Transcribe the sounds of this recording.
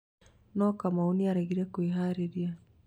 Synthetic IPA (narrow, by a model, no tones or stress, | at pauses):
nɔkamaoniaɾaɣiɾɛkoeɦaɾeɾia